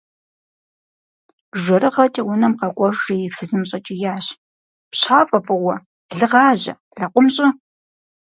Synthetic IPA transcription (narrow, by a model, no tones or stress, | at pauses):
ʒɐɾɨʁɐtʼiwʊnɐmqɐkʷʼɔʒijɪfɨzɨmɕʼɐt͡ʃʼijaːɕ | pɕaːfʼɐfʼɨwʷɐ | ɮɨʁɑːʑɐ̰ | ɮɐqʷʼʊmɕʼɪ